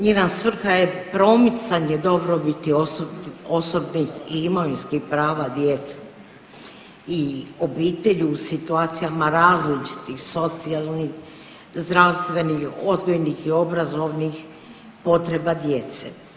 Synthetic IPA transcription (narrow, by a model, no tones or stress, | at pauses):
ɲenasʋr̩xajepɾo̞mit̪saɲed̪o̞bɾobit̪iosoo̞so̞bnixiimoinskixpɾaːʋad̪jet̪se̥ | io̞biːt̪e̞ʎuːsit̪uaːt̪sijamaɾaːzlit͡ʃi̥t̪ixso̞t̪sialˠnix | zd̪ɾawst̪ʋe̞nixo̞d̪ɡojnixio̞bɾazo̞ʋnix | po̞t̪ɾe̞bad̪je̞t̪se